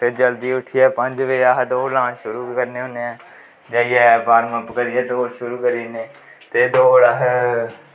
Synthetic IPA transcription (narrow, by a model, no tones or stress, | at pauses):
ped͡ʒəld̪iːʊʈʰiːɛːpə̃ɲd͡ʒʋeaɦd̪oːlãːnʃʊɾuːkəɾneːɦʊ̃neɛ̃ː | d͡ʒaːiɛːbaːɾməpkəɾiːɛːt̪oːʃʊɾuːkəɾiːneːt̪eːd̪oːɽaɦ